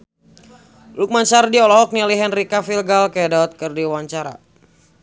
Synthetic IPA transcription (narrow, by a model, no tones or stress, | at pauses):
luk̚mansardiɔlɔɔk̚nialiɦɛnrikafilɡalkɛdat̪̚kɨrdiwaɲt͡ʃaɾa̰